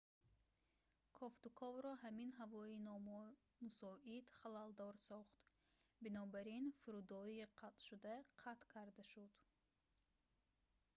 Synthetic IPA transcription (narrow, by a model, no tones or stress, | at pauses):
kʰɔft̪ukʰɔvɾɔɦaminɦavɔinɔmɔ | musɔʔid̪χalald̪ɔɾsɔχt̪ | binɔbaɾinfuɾud̪ɔiːqʰat̪ʃud̪aqʰat̪kʰaɾd̪aʃud̪̥